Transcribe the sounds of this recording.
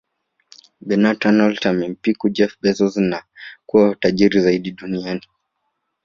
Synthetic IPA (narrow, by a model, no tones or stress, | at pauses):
bɛnatanaltamɛm̩pikud͡ʒɛfbɛsɔznakuwaataʄiɾizaiɗiɗuniani